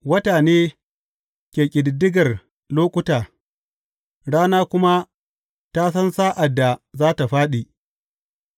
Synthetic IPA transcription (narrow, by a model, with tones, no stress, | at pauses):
wɐ˦taː˨neː˦ | kʲeː˨kʲʼɪ˨dɪ˨dːɪ˦ɡɐ˨r | loː˦kʷʊ˦taː˨ | ɽaː˦naː˦kʷʊ˦ma˦ | ta˦sɐ˦nsaː˦ʔa˨dːa˨zaː˦ta˨ɸaː˦ɗi˨ʔ